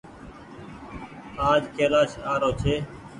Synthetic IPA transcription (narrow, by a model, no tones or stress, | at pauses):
aːd͡ʒkʰeːlaːʃaːɾoːt͡ʃʰeː